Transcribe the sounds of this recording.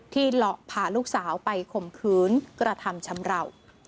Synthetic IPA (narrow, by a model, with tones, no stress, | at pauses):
t̪ʰiː˥˩lɔ˨˩ʔpʰaː˨˩luː˥˩k̚saː˩˦wpa˧jkʰo˨˩mkʰɯː˦˥nkɾa˧t̪ʰa˧mt͡ɕʰa˧˦mɾa˧˩w